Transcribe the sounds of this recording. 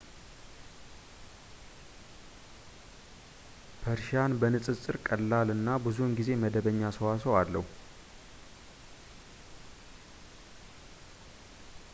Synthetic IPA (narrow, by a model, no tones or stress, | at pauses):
pʰəɾʃanbənɨsʼɨt͡sʼɨɾkʼəlːalɨnːabɨzunɡize̞məd̪əβəɲːasəwasəwalːəhu